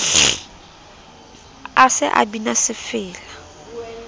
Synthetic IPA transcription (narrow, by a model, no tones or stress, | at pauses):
asɪʔa̰binasɪfɪːla